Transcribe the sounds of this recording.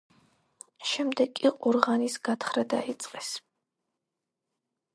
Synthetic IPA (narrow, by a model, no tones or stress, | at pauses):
ʃɛmd̪ɛkʼiʔʼɔɾʁanisɡ̥at̪ʰχɾad̪ait̪sʼqʼɛs